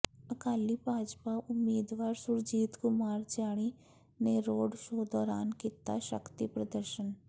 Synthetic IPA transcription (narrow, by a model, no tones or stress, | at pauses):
əkaːlibʱaːd͡ʒpaʔʊmːiːd̪ʋaːɾsʊɾd͡ʒiːt̪kʊmaːɾd͡ʒaːɽ̃i | neɾoːɖʃoːd̪ɔːɾaːnkit̪a̰ʃə̰kt̪ipɾəd̪əɾʃən